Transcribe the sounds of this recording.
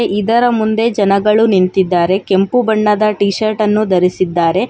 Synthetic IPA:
ʔid̪ɐɾɐmund̪e̞d͡ʒɐnɐɡɐɭunint̪id̪ːaːɾe̞ke̞mpubɐɳːɐd̪ɐʈiːʃɐɾʈɐnːud̪ɐɾisid̪ːaːɾe̞

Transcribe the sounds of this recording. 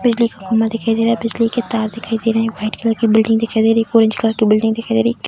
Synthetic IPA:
bɪd͡ʒliːkɦʊkumət̪d̪ɪkʰaːid̪eːɾabɪd͡ʒliːket̪aːɾd̪ɪkʰaːid̪eːɾ̃ʋaːɪʈkɪlaːkibɪlɖɪ̃ŋd̪ekʰaid̪eːɾeːkoːɾɪ̃ɲt͡ʃklaːkibɪlɖɪ̃ŋɡd̪ɪkʰaid̪eːɾiː

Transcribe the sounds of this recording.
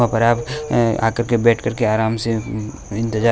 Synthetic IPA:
ãpɐɾaːpa̰ːkəɾkebɛːʈʰkɐɾkeaːɾaːmse | ɪ̃nt̪ɪd͡ʒa

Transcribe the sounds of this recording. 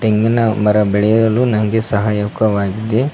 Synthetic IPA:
ʈeŋɡɐnɐmɐɾɐbɛɭɛjɐɐlunɐŋɡesɐɦajɐkɐʋaːɡid̪e

